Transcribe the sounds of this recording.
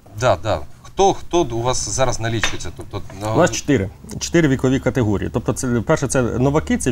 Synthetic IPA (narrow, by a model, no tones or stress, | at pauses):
d̪ɑd̪ɑ̰xt̪ɔxt̪ɔuʋɑszɑɾɐznɐlʲit͡ʃʊjet͡sʲːɐt̪ɔp̚t̪ɔnnɑst͡ʃe̥t̪ɪɾɪt͡ʃe̥t̪ɪɾɪʋʲikɔʋʲikɐt̪eɦɔɾʲḭḭt̪ɔp̚t̪ɔt̪sɛpɛrʃɛt̪ɛnɔʋɐkɪt̪sɛ